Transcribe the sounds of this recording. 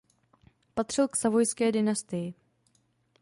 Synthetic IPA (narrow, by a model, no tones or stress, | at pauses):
pat̪r̝̥ɪlksavo̞jskɛːdɪnast̪ɪjɪ